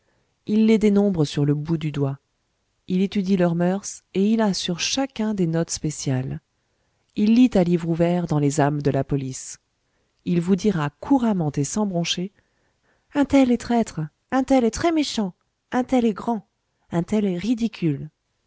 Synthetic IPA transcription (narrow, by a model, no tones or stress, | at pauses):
ilːed̪enɔ̃bʁəsyʁləbud̪yd̪wa | ilet̪yd̪ilœʁmœʁseilasyʁʃakʲɛ̃d̪enɔt̪spesjal | ilːit̪alivʁuvɛʁd̪ɑ̃lezamd̪əlapɔlis | ilvud̪iʁakʰuʁamɑ̃t̪esɑ̃bʁɔ̃ʃe | ɛ̃t̪ɛlɛt̪χɛt̪χ | ɛ̃t̪ɛlɛt̪χɛmeʃɑ̃ | ɛ̃t̪ɛlɛɡʁɑ̃ | ɛ̃t̪ɛlɛʁid̪ikʲʰyl